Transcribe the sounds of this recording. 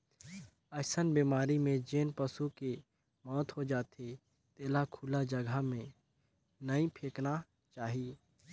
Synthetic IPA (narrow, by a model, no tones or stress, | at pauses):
əsənbiːmaːɾimẽd͡ʒeːnpəsuke | mɔːt̪ɦod͡ʒaːt̪ʰe | t̪eːlakʰuːlad͡ʒəɡʱamẽ | nəĩpʰeːkna | t͡ʃaːɦiː